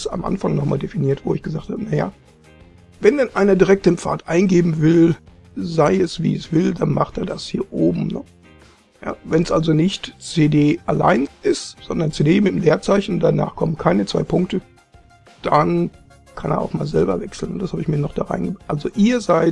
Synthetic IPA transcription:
sa̰mʔa̰nfaŋnɔχma̰ːldefiniːɐtv̥oːɪçɡ̥əzaːkthaːbənaja̰ː | vɛndanʔaɪnɐdiʁɛk̚t̚demfa̰ːtʔaɪnɡeːbm̩vɪl | zaɪɛsv̥ḭːɛsv̥ɪldanmaχteːɐdashiːɐʔoːbm̩nə | ja̰ːvɛnsʔalzonɪçtt͡sedeːʔala̰ɪnʔɪstz̥ɔndɐnt͡seːdeːmɪtəmleːɐt͡saɪçn̩ʊnd̥ana̰ːχkʰɔmənkʰaɪnət͡sv̥aɪpʰʊŋk̚tə | d̥an | kʰanḛɐʔa̰ʊxma̰ːlzɛlbɐvɛksl̩nʊntd̥ashaːbəɪçmiːɐnɔχd̥aʁa̰ɪnɡəʔalzoʔiːɐzaɪ

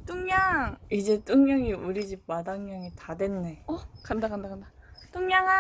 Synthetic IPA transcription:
t͈uŋɲaŋid͡ʑe̞t͈uŋɲaŋiʔuɾid͡ʑip̚madaŋɲaŋitadwenːeʌkandakandakandat͈uŋɲaŋa

